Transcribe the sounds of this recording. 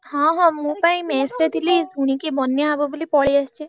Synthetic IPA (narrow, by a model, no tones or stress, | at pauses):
hɔ̃ɦɔ̃mũpaĩmesɾet̪ʰilid̪ʱuɽ̃ikebɔnjəɦabɔbulipɔɭiast͡ʃʰe